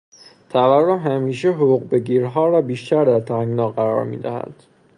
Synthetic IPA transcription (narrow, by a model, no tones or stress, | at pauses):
t̪ʰæværːomɦæmiːʃeɦouːɣbe̞ɡiːɾɦɒːɾɒːbiːʃt̪ʰæɾd̪æɾt̪ʰæŋɡnɒːɢæɾɒ̰ːɾmḭːd̪æhæ̰d̪̥